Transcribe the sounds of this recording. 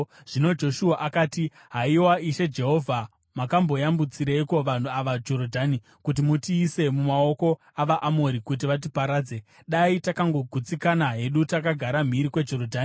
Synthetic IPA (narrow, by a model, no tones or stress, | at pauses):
ʐ̥ino̞d͡ʒo̞ʃuaʔakaːti | ɦaiwaiʃed͡ʒe̞ɦo̞vʱa | makambo̞jambut͡siɾaiko̞ʋan̤uaʋad͡ʒo̞rodʱani | kut̬imutiːse̞mumao̞ko̞ | aʋaʔamo̞ɾikut̬iʋat̬ipaɾaːd͡ze̞ | ɗaitakaŋɡo̞ɡʱut͡sikanaɦe̞ɗutakaɡʱaɾam̤iɾikwe̞d͡ʒo̞rodʱaːni